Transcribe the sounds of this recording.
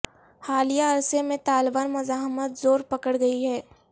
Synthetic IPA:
haːlijaɐɾsemẽt̪aːlbaːnmʊzaːɦmət̪zoːɾpɐkəɽɡɐiɦɛː

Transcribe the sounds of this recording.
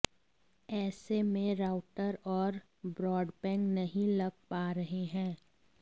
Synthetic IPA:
ɛːsemẽɾaːʊʈəɾɔːɾ | bɾɔːɖpɛ̃ːŋknɐɦĩlɐɡ̚paːɾɐɦeɦɛ̃ː

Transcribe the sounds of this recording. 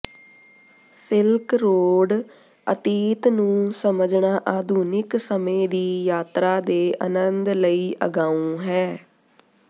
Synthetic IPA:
sɪlkɾoːɖ | ə̰t̪iːt̪nũːsəməd͡ʒɳaːʔaːd̪ʱuːnɪksəmẽːd̪iːjaːt̪ɾaːd̪eːʔə̰nənd̪ləiːʔə̰ɡaːũːɦɛː

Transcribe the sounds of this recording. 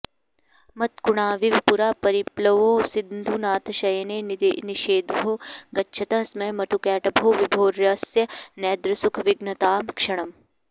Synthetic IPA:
mɐt̪̚kuɳ̃aːʋiʋpuɾaːpɐɾiplɐʋoːsind̪ʱunaːt̪ʰɐʃɐjɐneːniʃeːd̪bʱoːɡɐtːʃʰɐt̪ɐsmɐjmɐt̪ʰukɛːʈɐbʱoːʋibʱoːɾjɐsjɐnɛːd̪ɾɐsukʰʋɪɡnɐt̪aːmkʂɐɳ̃ɐm

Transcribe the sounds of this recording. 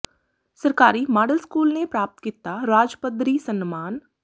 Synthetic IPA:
sɐɾkaːɾimaːɖəlskuːlnepɾaːp̚t̪kiːt̪aɾaːd͡ʒpəd̪ɾisənmaːn

